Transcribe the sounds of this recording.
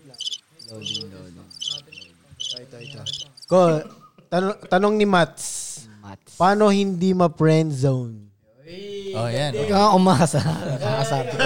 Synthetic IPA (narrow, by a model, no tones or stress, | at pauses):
ko | t̪ɐt̪ɐnoŋnɪmat̪̚s | paːnohɪnd̪imɐpɹɛnd̪sown | ojankɐŋaʔʊmasɐkaʔɐsab